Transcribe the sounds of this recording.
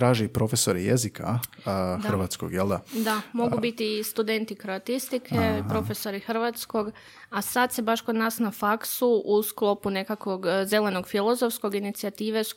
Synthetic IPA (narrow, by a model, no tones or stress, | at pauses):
t̪ɾaːʒeipɾo̞fesoɾḭjḛzikʰa̰ | xrʋat̪sko̰ɡjelˠd̪ad̪amo̞ɡubit̪iːst̪ud̪e̞nt̪ikɾoat̪ist̪ikʰepɾo̞fe̞so̞ɾixr̩ʋat̪sko̞ɡ | asad̪sebaʃko̞d̪naːsnafaksuʔusklˠo̞pune̞kakʋo̞ɡze̞le̞no̞ɡfilˠo̞zofsko̞ɡinit̪siat̪iːʋe